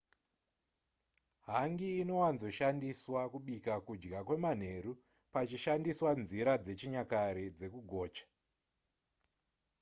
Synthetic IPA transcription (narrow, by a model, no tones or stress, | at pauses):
ɦaŋɡiːno̞wanzo̞ʃandiswakuɓikakud͡ʒɡakwe̞man̤e̞ɾu | pat͡ʃiʃandiswanziɾad͡ze̞t͡ʃiɲakaɾed͡ze̞kuɡʱo̞ːt͡ʃḁ